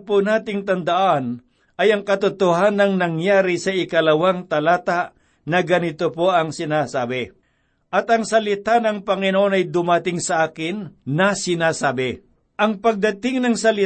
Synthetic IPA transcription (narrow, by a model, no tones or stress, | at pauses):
pʊnaːt̪ɪŋt̪ɐnd̪ɐʔan | ʔɐjɐŋkɐt̪ʊt̪oɦanɐŋnɐŋjaːɾɪsɐɪkɐlɐwaŋt̪ɐlaːt̪aʔ | nɐɡɐnɪt̪opoʔɐŋsɪnasaːbɪ | ʔɐt̪ɐŋsɐlɪt̪anɐŋpɐŋɪnoʔonɐjd̪ʊmɐt̪ɪŋsɐʔaːkɪnːɐsɪnasaːbɪ | ʔɐŋpɐɡ̚d̪ɐt̪ɪŋnɐŋsɐlɪ